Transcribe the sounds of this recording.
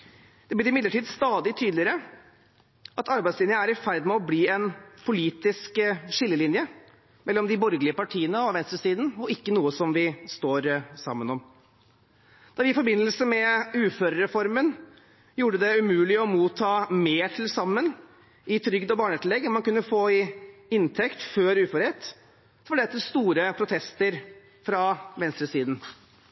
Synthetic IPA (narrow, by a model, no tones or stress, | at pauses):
d̪̥ɛblɪɾɪmɪd̪əʈʰiːd̪st̪ɑːd̪ɪt̪ʰyːd̪lɪəɾə | ɑt̪ɑɾbæɪslɪnjənæɾɪfæɾd̪mɛɔbliːɛnpʰʊliːt̪ɪskʂɪlːəlɪnjə | mɛlːɔmd̪ɪbɔɾɡəlɪəpɑʈʰiːənəɑʋɛnst̪ɾəsiːd̪n̩ɔɪkːənuːəsɔmʋɪst̪oːɾsɑ̰mːənɔm | d̪̥ɑɾʋɪɪfɔɾbɪnːəlsəmɛʉːføːɾɾɛfɔɾmən | juːɖəd̪ɛʉmʉːlɪɔmuːt̪ʰːɑːmeːʈʰɪlsɑmːən | ɪt̪ʰɾʏɡd̪ɔbɑːɳɛt̪lɛɡːɑmmɑnkʉnːəfoːɪɪnt̪ʰɛkt̪føːɾʉːføɾɛt̪ | fɔɖɛt̪ːəst̪uːɾəpʰɾʊt̪ʰɛst̪əɾ | fɾɑʋɛnst̪ɾəsiːd̪n̩